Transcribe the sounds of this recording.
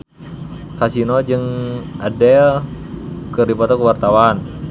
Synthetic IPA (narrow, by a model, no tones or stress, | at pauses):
kasinɔd͡ʒɨŋadɛl | kəɾipat̪ɔkəwart̪awan